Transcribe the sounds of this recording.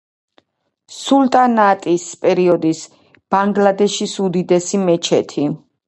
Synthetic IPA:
sult̪ʼanat̪ʼispʼɛɾiɔd̪is | b̥aŋɡlad̪ɛʃisud̪id̪ɛsimɛt͡ʃʰɛt̪ʰi

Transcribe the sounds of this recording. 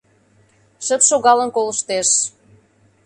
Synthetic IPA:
ʃə̆t̪ʃoɣɑlə̆nkoləʃt̪eʃ

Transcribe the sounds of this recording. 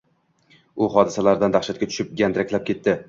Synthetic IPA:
ʊχɒd̪ɪsalaɾd̪and̪aχʃat̪̚kʲat̪ʰʊ̥ʃɪp̚ɡʲand̪ɪɾakʲʰlap̚kʲʰe̞t̪ːɪ

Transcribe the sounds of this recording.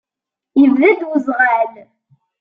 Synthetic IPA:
jəvðæd̪wəzʁal

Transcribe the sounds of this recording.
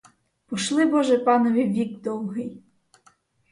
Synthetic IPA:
pɔʃlˠɪbɔʒɛpɑnɔʋʲiʋʲiɡd̪ɔwɦɪj

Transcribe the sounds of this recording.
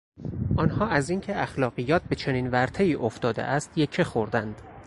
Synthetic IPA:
ʔɒːnhɒːæziːŋcʰeæxlɒːɢijɒːt̪̚be̞t͡ʃʰe̞niːnvæɾt̪ʰeiːʔoft̪ɒːd̪ḛʔæst̪jecʰexoɾd̪ænd̪̥

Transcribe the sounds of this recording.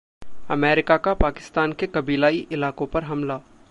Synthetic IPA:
ɐmɛːɾɪkakapaːkɪ̥st̪aːnkekɐbiːlaːiʔɪlaːkõpɐɾɦɐmla

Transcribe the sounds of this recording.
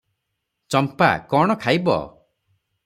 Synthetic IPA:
t͡ʃɔmpa̰kɔɽ̃ɔkʰajbɔ̰

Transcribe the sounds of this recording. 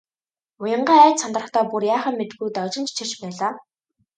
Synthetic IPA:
ʊjə̆ɴɢæːæːt͡ɕ̪sɔnt̪rə̆χt̪ʰɔːpurjaːχə̆mmet̪ɡujt̪ɔt͡ɕɪ̆nt͡ɕt͡ɕʰĭt͡ɕpæːɮaː

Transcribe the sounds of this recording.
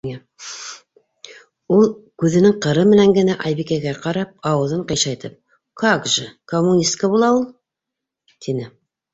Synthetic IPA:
ulˠkʉðɘ̆nɘŋqɤ̆ɾɤmɘ̆næŋɡɘ̆næʔɑjβikæɡæqɑɾɑp̚ɑwɤ̆ðɤɴqɤ̆jʃɑjt̪ɤp̚ | kʰakʒɘkomːunʲist̪kəbulˠɑulˠ | t̪ʰinɘ

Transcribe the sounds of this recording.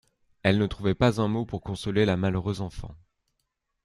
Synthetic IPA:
ɛlnət̪χuvɛpazɛ̃mopuʁkɔ̃sɔlelamaløʁøzɑ̃fɑ̰̃

